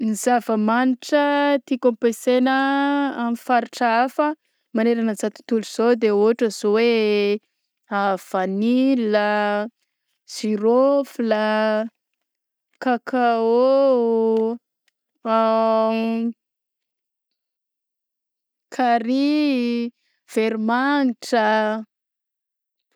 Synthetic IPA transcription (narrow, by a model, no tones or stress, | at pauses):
nizavəmaniʈ͡ʂət̪ikompesenəamifaɾiʈ͡ʂəafə | maneɾanəzat̪u̥t̪uluz̥od̪eoaʈ͡ʂəz̥owe | av̥anilə | z̥iɾofilə | kakao | kʰaɾi | v̥eɾimanʈ͡ʂə